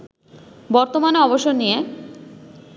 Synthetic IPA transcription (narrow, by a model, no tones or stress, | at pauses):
bɔɾt̪omaneɔboʃoɾnije